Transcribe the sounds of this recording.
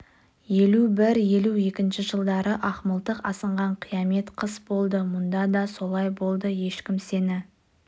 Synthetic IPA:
je̞lubɪɾje̞lue̞kʲɪnʃɪʒəlˠd̪ɑɾəʔɑχməlˠt̪əqɑsəɴʁɑɴqʰijɑme̞t̪qʰəsbo̞lˠd̪əmʊnd̪ɑd̪ɑso̞lˠɑjbo̞lˠd̪əje̞ʃkʲɪmse̞nɪ

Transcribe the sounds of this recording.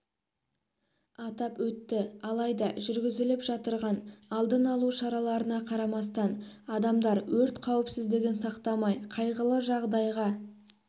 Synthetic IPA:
ɑt̪ɑpwɵt̪ːɪɑlˠɑjd̪ɑʒʏɾɡʲɪzɪlɪpʒ̥ɑt̪əɾʁɑnɑlˠd̪ənɑlˠuʃɑɾɑlˠɑɾənɑqʰɑɾɑmɑst̪ɑnɑd̪ɑmd̪ɑɾwɵɾt̪qʰɑwɪpsɪzd̪ɪɡʲɪnsɑqt̪ɑmɑjqʰɑjʁəlˠəʒɑʁd̪ɑjʁɑ

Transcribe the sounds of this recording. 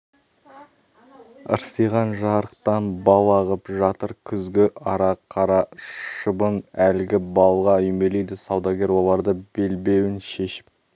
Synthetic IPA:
ə̰ɾsəjʁɑnʒɑɾəq̚t̪ɑnbɑlˠɑʁəpʒɑt̪əɾkʲʰʏzɡʲɪʔɑɾɑqʰɑɾɑʃəbənælɡʲɪbɑlˠʁɑʏjme̞lejd̪ɪsɑwd̪ɑɡʲe̞ɾwo̞lˠɑɾd̪əbe̞lbe̞wɪnʃe̞ʃɪ̥p̚

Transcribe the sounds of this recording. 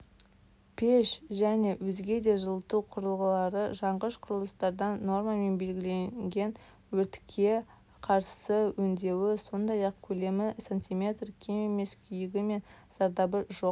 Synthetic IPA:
pʰeʃʒæne̞wɵzɡʲe̞d̪e̞ʒəlˠət̪uwqʰʊɾəlˠʁəlˠɑɾəʒɑɴʁəʃqʰʊɾəlˠəst̪ɑɾd̪ɑnːo̞rmɑme̞nbe̞lɡʲɪle̞ŋɡʲe̞n | wɵɾt̪ɪ̥kʲʰːe̞ | qʰɑɾsəwɵnd̪e̞wɪso̞nd̪ɑjɑq̚kʲʰɵle̞mɪsent̪ijmʲe̞t̪rkʲʰememe̞skʲʰʏjɪɡʲɪme̞nz̥ɑɾd̪ɑbəʒo̞q̚

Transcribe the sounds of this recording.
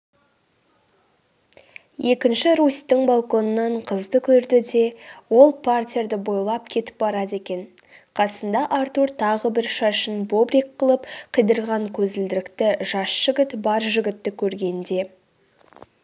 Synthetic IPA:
je̞kʲɪnʃɪɾusʲt̪ːɪŋbalˠko̞nənːɑɴqʰəzd̪əkʲʰɵɾd̪ɪd̪e̞wo̞lˠpʰartʲijɾd̪əbo̞jlˠɑp̚kʲʰe̞t̪ɪ̥p̚bɑɾɑd̪e̞kʲe̞n | qʰɑsənd̪ɑʔaɾt̪uɾt̪ʰɑʁəbɪɾʃɑʃənbobɾikqːəlˠəpqʰəjd̪əɾʁɑŋkʲʰɵzɪld̪ɪɾɪkt̪ɪʒɑsʒ̥ɪɡʲɪt̪bɑɾʒɪɡʲɪt̪ːɪkʲʰɵɾɡʲe̞nd̪e̞

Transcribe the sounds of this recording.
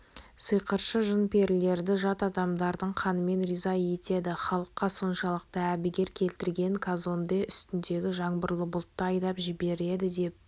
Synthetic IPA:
səjqəɾʃəʒənpʰe̞ɾle̞ɾd̪ɪʒɑt̪ɑd̪ɑmd̪ɑɾd̪əɴqʰɑnəme̞nrizɑje̞t̪e̞d̪ɪχɑlˠəqːɑso̞nʃɑlˠəq̚t̪ɑæbɪɡʲe̞ɾkʲʰe̞lt̪ɪɾɡʲe̞ŋkʰazo̞nd̪eʏst̪ɪnd̪e̞ɡʲɪʒɑɴbəɾlˠəbʊlˠt̪ːəɑjd̪ɑpʒɪbe̞ɾe̞d̪ɪd̪e̞p̚

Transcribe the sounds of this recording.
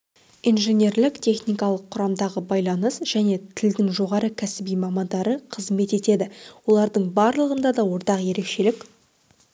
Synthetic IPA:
ijnʒenʲe̞ɾlɪkt̪ʲʰe̞χnijkɑlˠəqʰːʊɾɑmd̪ɑʁəbɑjlˠɑnəsʒ̥æne̞t̪ʰɪld̪ɪŋʒo̞ʁɑɾəkʲʰæsɪbijmɑmɑnd̪ɑɾəqʰəzme̞t̪e̞t̪e̞d̪ɪwo̞lˠɑɾd̪əɴbɑɾlˠəʁənd̪ɑd̪ɑwo̞ɾt̪ɑqje̞ɾe̞kʃe̞lɪk

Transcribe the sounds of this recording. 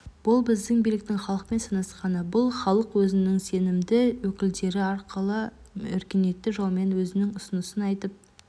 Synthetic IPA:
b̥ʊlˠbɪzd̪ɪŋbijlɪk̚t̪ɪŋχɑlˠəq̚pe̞nsɑnɑsqɑnəbʊlˠχɑlˠəqwɵzɪnɪŋse̞nɪmd̪ɪwɵkʲɪld̪e̞ɾɪɑɾqʰəlˠə | ʏ̰ɾkʲene̞t̪ːɪʒɑlˠme̞nwɵzɪnɪŋʊsənəsənɑjt̪əp̚

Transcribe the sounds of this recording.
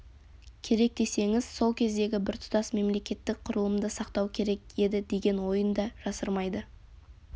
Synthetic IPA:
kʲʰe̞ɾe̞k̚t̪e̞se̞ŋɪz̥so̞lˠkʲʰe̞zd̪e̞ɡʲɪbɪɾt̪ʰʊ̥t̪ɑsme̞mle̞kʲe̞t̪ːɪk̚qʰʊɾəlˠəmd̪əsɑqt̪ɑwkʲʰe̞ɾe̞ke̞d̪ɪd̪e̞ɡʲe̞nwo̞jənd̪ɑʒ̥ɑsəɾmɑjd̪ə

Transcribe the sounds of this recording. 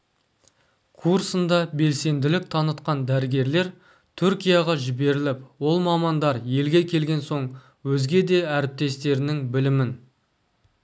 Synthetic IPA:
kʰursənd̪ɑbe̞lse̞nd̪ɪlɪk̚t̪ʰɑnət̪qɑnd̪æɾɪɡʲe̞ɾle̞ɾ | t̪ʰʏɾkʲijɑʁɑʒɪbe̞ɾɪlɪpwo̞lˠmɑmɑnd̪ɑɾje̞lɡʲe̞kʲʰe̞lɡʲe̞nso̞ɴ | wɵzɡʲe̞d̪e̞æɾɪp̚t̪e̞st̪e̞ɾɪnɪŋbɪlɪmɪn

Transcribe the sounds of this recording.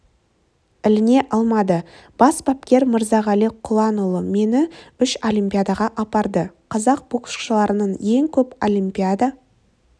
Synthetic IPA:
ɪlɪne̞ʔɑlˠmɑd̪ə | b̥ɑsbap̚kʲe̞ɾməɾzɑʁɑliqʰʊlˠɑnulˠəme̞nɪʏʃo̞lʲijmpʲijad̪ɑʁɑʔɑpɑɾd̪əqʰɑzɑq̚b̥oqə̥ʃqʃəlˠɑɾənəɴje̞ŋkʲʰɵpolʲimpʲijad̪a

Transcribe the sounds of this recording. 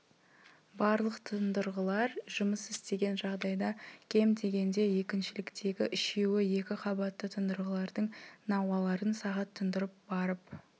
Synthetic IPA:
bɑɾlˠəqt̪ʰənd̪əɾʁəlˠɑɾʒʊməsɪst̪e̞ɡʲe̞nʒɑʁd̪ɑjd̪ɑkʲʰe̞md̪e̞ɡʲe̞nd̪e̞je̞kʲɪnʃɪlɪkt̪ʰe̞ɡʲɪʔɪʃe̞wɪje̞kʲɪqʰɑbɑt̪ːət̪ʰənd̪əɾʁəlˠɑɾd̪əɴnɑwɑlˠɑɾənsɑʁɑt̪ʰːənd̪əɾəp̚bɑɾəp

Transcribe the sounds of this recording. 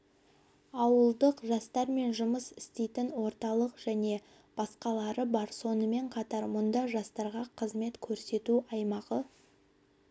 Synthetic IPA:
ɑwəlˠd̪əqʒɑst̪ɑɾme̞nʒʊməsɪst̪e̞jt̪ɪnwo̞ɾt̪ɑlˠəqʒ̥æne̞ | b̥ɑsqɑlˠɑɾəbɑɾso̞nəme̞ɴqʰɑt̪ɑɾmʊnd̪ɑʒɑst̪ɑɾʁɑqʰəzme̞t̪kʲʰɵɾse̞t̪uɑjmɑʁə

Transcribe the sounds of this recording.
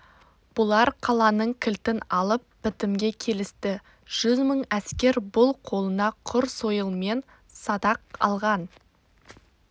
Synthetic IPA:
b̥ʊlˠɑɾqʰɑlˠɑnəɴkʲʰɪlt̪ɪnɑlˠəpbɪt̪ɪmɡʲe̞kʲʰe̞lɪst̪ɪ | ʒ̥ʏzməɴæskʲe̞ɾbʊlˠqʰo̞lˠənɑqʰʊɾso̞jəlˠme̞n | sɑd̪ɑq̚ɑ̰lˠʁɑn

